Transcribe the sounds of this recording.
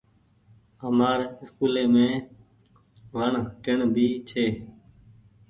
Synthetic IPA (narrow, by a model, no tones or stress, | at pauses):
əmaːɾɪskuːleːmẽː | ʋəɳʈɪɳbʱiːt͡ʃʰeː